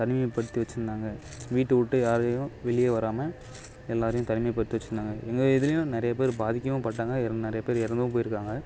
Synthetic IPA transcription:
t̪ɐnɪmɐpːɐɽɯt̪ːiʋɐt͡ʃːɯɾɯnd̪aːŋɡɐ | ʋiːʈːɯʊʈːɯjaːɾɐjʊ̃ʋɛɭɪjeːʋɐɾaːmɐ | ɛlːaːɾɐjʊ̃t̪ɐnɪmɐpːɐɽɯt̪ːiʋɐt͡ʃːɪɾɯnd̪aːŋɡɐʔɛŋɡɐðɪlɐjʊ̃nɪɾɐjɐp̬eːɾbaːðɪkʲːɐmɐ̃pɐʈːaːŋɡɐɪɾɐnɪɾɐjɐpeːɾɪɾɐnd̪ʋʊ̃p̬oːjɪɾɯkːaːŋɡɐ

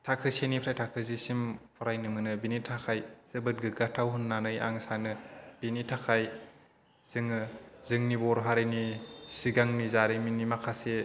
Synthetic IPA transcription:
tʰakʰɯsenipʰɾajtʰakʰɯzisimpʰɔɾajnɯmɯnɯbinitʰakʰajz̥ɯbɯt̚ɡɯɡatʰawɦunːanɯja̰ŋsanɯb̥initʰakʰaj | z̥ɯŋɯzɯŋnibɔɾɦaɾɯjnisiɡaŋmizaɾiminimakʰase

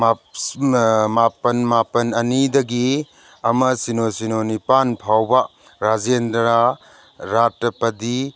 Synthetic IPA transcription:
ma | mapɐnmapɐnɐnidɐɡi | ɐmɐsinosinonipanpʰawbɐ | ɾad͡ʒendɾa | ɾatːɐpɐdi

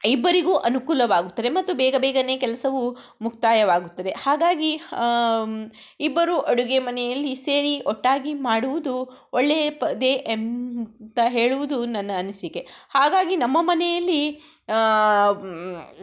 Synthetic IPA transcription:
ibːɐɾiɡuːʔɐnukuːlɐʋaːɡut̪ːɐd̪emɐt̪ːubɛːɡɐbɛːɡɐne̞ːkɛlɐsɐʋu | mukt̪aːjɐʋaːɡut̪ːɐd̪e̞haːɡaːɡi | ibːɐɾuʔɐɽuɡemɐnɛjɐlːiseːɾiɔʈːaːɡimaːɽuʋud̪uoɭːeːpɐd̪eːʔmt̪ɐɦe̞ːɭuʋud̪unɐnːɐɐnisikehaːɡaːɡinɐmːɐmɐnɛjɐlːi

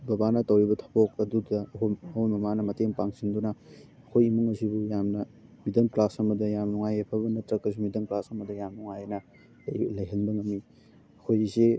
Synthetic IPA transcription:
bɐbanɐtɐwɾibɐtʰɐ̥pʰok̚ɐdudɐɐkʰoɐhojmɐmanɐmɐteŋpaŋsindunɐ | ɐkʰojimuŋɐsibujamnɐmidɐŋklasɐmɐdɐjamnuŋajepʰɐbɐnɐtɾɐkːɐs̬imidɐŋklasɐmɐdɐjamnuŋajnɐ | lɐjɦɐnbɐŋɐmːi | ɐkʰojze

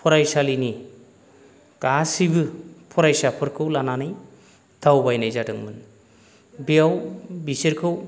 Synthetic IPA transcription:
pʰɔɾajsalini | ɡasibɯpʰɔɾajsapʰɯɾkʰɯwlananɯj | tʰawbajnajzadɯŋmɯn | bijawbisiɾkʰɯw

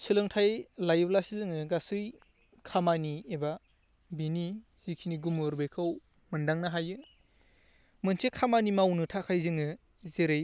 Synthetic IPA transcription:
sɯlɯŋtʰajlajɯblasizɯŋɯɡasɯj | kʰamanieba | bini | z̥ikʰiniɡumɯɾbɯjkʰɯw | mɯndaŋnaɦajɯ | mɯnsʰekʰamanimawnɯtʰakʰajzɯŋɯ | zeɾɯj

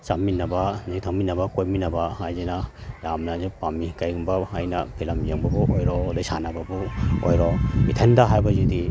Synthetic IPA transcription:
saminɐbanitʰaŋminɐbɐkojminɐbahajzenajamnazipamikajŋbahajnɐpʰilɐmjaŋbɐbuʔojɾɔdajsa̰nabɐbuojɾɔbitʰɐndaɦajbɐzudi

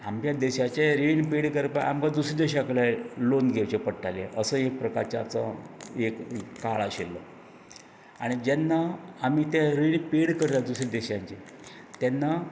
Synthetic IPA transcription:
amt͡ɕjad̪eɕat͡ɕaɾinpeɽkəɾpaa̰mkad̪usɾid̪eɕaklalonɡʱewt͡ɕepəɽʈaleʔəsəːek̚pɾəkaɾt͡ɕat͡səekkaɭaɕelːə | a̰ɽ̃id͡ʑanːaamit̪jaɾinpeɽkəɾlad̪usɾid̪eɕãɲt͡ɕe | t̪janːa

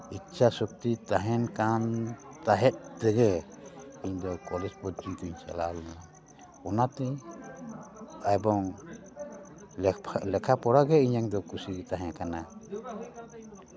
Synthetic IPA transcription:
itt͡ʃʰasuk̚t̪it̪aɦɛnkant̪aɦɛt̪̚t̪ɛɡɛ | iɲd̪ɔkɔlɛd͡ʒbɔd͡ʒikuɲt͡ʃa̰lalua | ɔnat̪ɛ | ajbɔŋ | lɛkʰapɔɾaɡɛiɲaŋd̪ɔkusiɡt̪aɦɛ̃akana

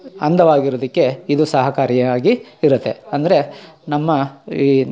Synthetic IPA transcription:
ɐnd̪ʱɐʋaːɡiɾod̪ikːe̞id̪usɐɦɐkaːɾjɐaːɡiiɾɐt̪ːe̞ɐnd̪ɐɾe̞nɐmːɐi

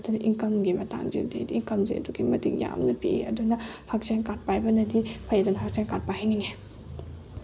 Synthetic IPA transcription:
ɐdunɐʔiŋkɐmɡimɐta̰ŋzḭdḭdiːŋkɐmzḭɐ̰duɡimɐtḭkja̰mnɐpiḛɐdunɐhak̚seŋkat̚pajbɐnɐdipʰɐjɐdunɐhak̚seŋkat̚pajhajniŋe

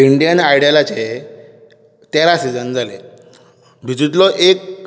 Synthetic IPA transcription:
iɳɖijənajɽjalat͡ɕe | t̪eɾasid͡zənd͡zʱale | bʱid͡z̪ut̪̬lɔʔek̚

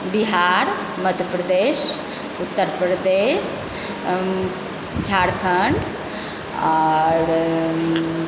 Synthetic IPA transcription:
biɦaːɾ | məd̪ʱjəpɾəd̪eːʃ | ut̪ːəɾpɾəd̪eːʃ | d͡ʒʱaːɽkʰəɳɖ | ɔːɾ

